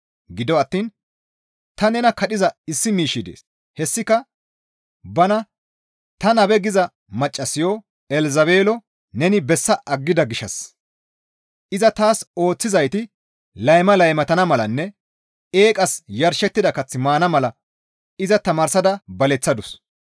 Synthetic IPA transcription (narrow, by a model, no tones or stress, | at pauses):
ɡɪd̪ɔɐt̪ːiːn | t̪ɐnɛnɐkɐɗɪzɐɪsːɪmiːʃɪd̪ḛːs | hɛsːɪkɐ | bɐnɐ | t̪ɐnɐbɛɡɪzɐ | mɐt͡ʃʼːɐsɪjɔ | ɛlzɐβe̞ːlɔ | nɛnɪbɛsːɐʔɐɡːɪd̪ɐɡɪʃɐs | ʔɪzɐt̪aːso̞ːt͡sːɪzɐjt̪ɪ | lɐjmɐlɐjmɐt̪ɐnɐmɐlɐnːɛ | e̞ːkʼɐsjɐɾʃɛt̪ːɪd̪ɐkɐt͡sːɪmaːnɐmɐlɐ | ɪzɐt̪ɐmaːɾsɐd̪ɐbɐlɛt͡sːɐd̪ʊs